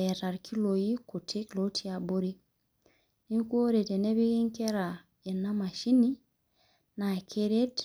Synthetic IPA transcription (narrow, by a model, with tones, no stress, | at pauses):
ɛ˨ta˨ɾkʰi˦lo˨ji˦ku˨tʰe˦klo˦tʰi˦a˨bo˦ɾi˦ | ni˦ku˦o˦ɾe˨te˨ne˦βi˦ki˦ŋke˦ɾa˨ | e˨na˦ma˨ʃi˦ni˦ | na˨kʰe˦ɾe˦t